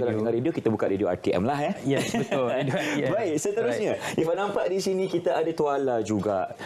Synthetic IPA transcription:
alat̪əŋaɾediokit̪abukaʔ̪ɾedioa̰rt̪iʔɛ̰mlahɦɛjɛətʊdbaiʔsət̪əɾusɲãʔifaʔnãmpaʔdisinĩkit̪aʔadat̪ualad͡ʒuɡaʔ

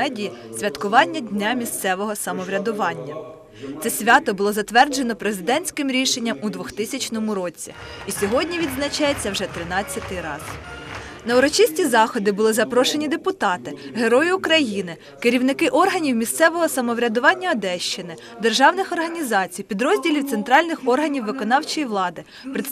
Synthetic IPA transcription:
ɛdʲijisʲʋʲɐt̪kʊʋɑnʲːɐdʲnʲamʲist̪sɛʋɔɦɔsɐmɔʋɾʲɐd̪ʊʋɑnʲːɐ | t̪sɛsʲʋʲɑt̪ɔbʊlˠɔzɐt̪ʋɛrd͡ʒenɔpɾezɪd̪ɛnʲsʲkɪmɾʲiʃe̞nʲːɐmʊd̪ʋʊxt̪ɪsʲɐt͡ʃnɔmʊɾɔt͡sʲːḭisʲɔɦɔdʲnʲiʋʲid̪znɐt͡ʃɑjet͡sʲːɐwʒɛt̪ɾɪnɑt͡sʲːɐt̪ɪɾɑ̰z̥ | nɐʊɾɔt͡ʃisʲtʲizɑxɔd̪ɪbʊlˠɪzɐpɾɔʃe̞nʲid̪epʊt̪ɑt̪ɪɦe̞ɾɔjiʊkɾɐjinɪ | kɪɾʲiwnɪkɪʔɔrɦɐnʲiwmʲist̪sɛʋɔɦɔsɐmɔʋɾʲɐd̪ʊʋɑnʲːɐɐd̪ɛʃt͡ʃɪnɪ | d̪e̞rʒɑwnɪxɔrɦɐnʲizɑt͡sʲijpʲid̪ɾɔzʲdʲilʲiwt̪sent̪ɾɑlʲnɪxɔrɦɐnʲiwːɪkɔnɑwt͡ʃɔjiʋlˠɑd̪ɪ | pɾɪ

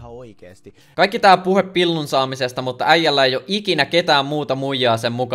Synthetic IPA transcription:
oikeːst̪i | kɑikːit̪æːpuhepːilːunsɑːmisest̪ɑmut̪ːɑæjːælːæejoʔikinæke̞t̪æːmmuːt̪ɑmujːɑːsemːukɑ

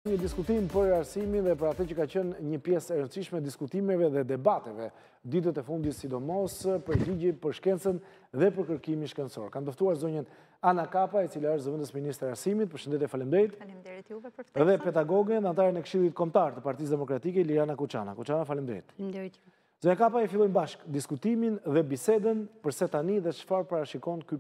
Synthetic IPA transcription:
ɲəd̪iskut̪impəɾaɾsiminðɛpəɾat̪əcəkacənɲəpjɛsɛɾənsiʃmɛd̪iskut̪imɛvɛðɛd̪ɛbat̪ɛvɛ | d̪it̪̬ət̪ɛfund̪it̪sid̪ɔmɔspəɾliɟipəɾʃkɛnt͡sən | ðɛpəɾkəɾkiminʃkɛnsɔ̰ɾkand̪əft̪uaɾzɔɲən | anakapait͡silaəʃzəvənd̪əsminist̪ɾiaɾsimit̪̚pəɾʃənd̪ɛt̪jɛfalimd̪ɛjt̪ | ðɛpɛd̪aɡɔɡənðɛant̪aɾənɛkʃilˠit̪̚kɔmt̪aɾt̪əpaɾt̪is̬d̪ɛmɔkɾat̪ikɛlianakut͡ʃa̰na̰kut͡ʃanafalimd̪ɛ̰jt̪ | zɔɲakapaɛfilˠɔjmbaʃkd̪iskut̪iminðɛbisɛd̪ənpəɾsɛt̪aniðɛt͡ʃə̥faɾpaɾaʃikɔnky

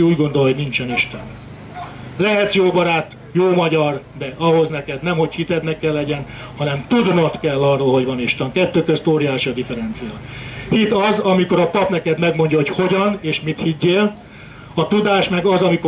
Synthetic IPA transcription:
uːɟɡo̞nd̪o̞lɦo̞ɟnint͡ʃɛniʃt̪ɛn | lɛɦɛt̪sjoːbɒɾaːt̪ | joːmɒɟɒrd̪ɛɒɦo̞znɛkɛd̪nɛmho̞chit̪ɛd̪nɛkːɛlːɛɟɛn | hɒnɛmt̪ud̪not̪kɛlːɒrːoːlɦo̞ɟʋɒniʃt̪ɛŋkɛt̪ːøːkøst̪oːɾjaːʃiɒd̪ifɛɾɛnt̪sijɒhit̪ɒzɒmiko̞ɾɒpɒpnɛkɛd̪mɛɡmo̞ɲɟɒɦo̞cho̞ɟɒneːʃmit̪hiɟːeːl | ɒt̪ud̪aːʃmɛɡɒzɒmiko

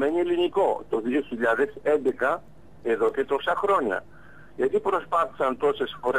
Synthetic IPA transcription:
me̞nie̞liniko̞t̪o̞ðio̞çiʎɐðe̞se̞nd̪e̞kɐ | e̞ðo̞ce̞t̪o̞sɐxɾo̞ɲɐ̰ | ʝɐt̪ipɾo̞spɐθi̥sɐnt̪o̞se̞sfo̞ɾe

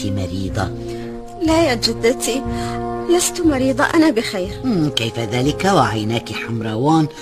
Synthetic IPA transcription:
imɑɾiːd̪ˤɑ | lajad͡ʒɪd̪ːat̪i | last̪ʊmɑɾiːd̪ˤɑʔanabɪxeːɾmkajfaðaːlɪkawaʕajnaːkiħamɾˤɑwaːn

